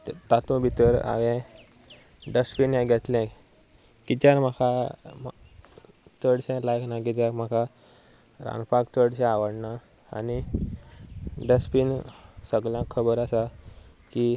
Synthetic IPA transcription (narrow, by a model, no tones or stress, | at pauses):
t̪at̪ũbʱit̪əɾa̰ʋɛ̃ | ɖəspinɛ̃ɡʱɛt̪lɛ̃ | kit̪jaɾm̤əkʰam | t͡səɽɕɛ̃lajknaɡɛt̪jaɾm̤akʰa | ɾã̰npakt͡səɽɕɛ̃aʋəɽna | a̰ni | ɖəspinsəɡljãkʰəbəɾasa | ki